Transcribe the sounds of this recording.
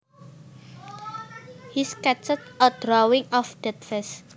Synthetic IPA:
hiskɛt͡ʃət̪̚əd̥ɾɔwɪŋɔfd̥ɛt̪̚fɛs

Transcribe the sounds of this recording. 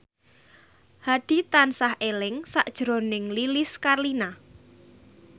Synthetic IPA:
haɖ̥i̤t̪ansahelɪŋsaʔd̥ʒ̥ɾonɪŋlilɪskarlina

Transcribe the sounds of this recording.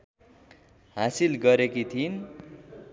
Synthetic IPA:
ɦasilɡʌɾekit̪ʰin

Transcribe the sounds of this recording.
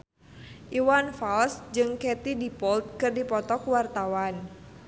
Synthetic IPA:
ʔiwanfalsd͡ʒɨŋkɛt̪idipɔlt̪̚kɨrdipɔt̪ɔkuwart̪awan

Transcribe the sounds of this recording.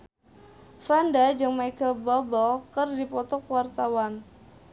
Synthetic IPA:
fɾandad͡ʒɨŋmajkəbabəlkərdipɔt̪ɔkwart̪awan

